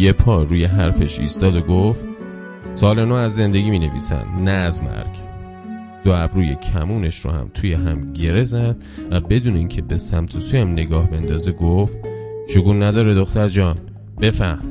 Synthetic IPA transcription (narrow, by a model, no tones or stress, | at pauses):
jepʰɒːɾuːje̞ɦæɾfe̞ʃḭːst̪ɒːd̪oɡoft̪̚ | sɒːlenoːæzːe̞nd̪e̞ɡʲiːmiːne̞vḭːsæ̰nd̪næːzmæ̰ɾɡ̥ | d̪̥oæbɾuːjḛcʰæmuːne̞ʃɾo̰hæ̰mt̪ʰujeɦæmɟe̞ɾezæd̪̥væbe̞d̪uːneiːŋcʰebe̞sæmt̪ʰosuːjæmne̞ɡɒːhbe̞nd̪ɒːzeɡoft̪ʃoɡuːnːæd̪ɒːɾed̪oxt̪æɾd͡ʒɒːn | b̥e̞fæhm